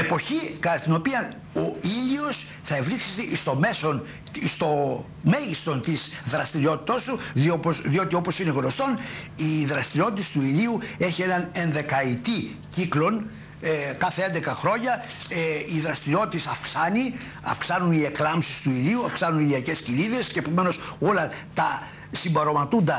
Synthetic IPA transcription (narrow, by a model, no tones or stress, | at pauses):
epo̞çikɐt̪ino̞piɐ | o̞iʎio̞s | θɐe̞vɾiksest̪eʔist̪o̞me̞so̞n | ist̪o̞ | me̞ʝist̪o̞nt̪izðɾɐst̪iɾio̞t̪i̥t̪ɐst̪uðioposðio̞t̪io̞po̞sineɣno̞st̪o̞n | iðɾɐst̪iɾio̞t̪it̪e̞st̪uiliue̞çie̞nɐne̞nðe̞kɐit̪i | ciklo̞n | kɐθee̞nd̪e̞kɐxɾo̞ɲɐ | eiðɾɐst̪iɾio̞t̪i̥t̪esɐfksɐni | ɐ̰fksɐnunie̞klɐmpsist̪uiɾiuɐfksɐnuniliɐce̞sciniðe̞sce̞ːpo̞me̞no̞so̞lɐt̪ɐ | simbɐɾo̞mɐt̪und̪ɐ